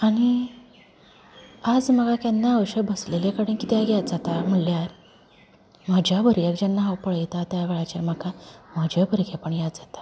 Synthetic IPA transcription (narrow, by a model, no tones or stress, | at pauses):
aɽ̃i | ad͡zm̤əɡakanːaəʋɕəbəslelekəɽənkit̪ɛjaɡjat̪̚d͡zat̪am̤əɭljaɾ | mad͡ʑʱjabʱəɾjakd͡ʑanːaɦawpəɭəjt̪at̪jaʋeɭat͡ɕeɾm̤əɡaməd͡ʑʱebʱəɾkʰepəɳjat̪̚d͡zat̪ḁ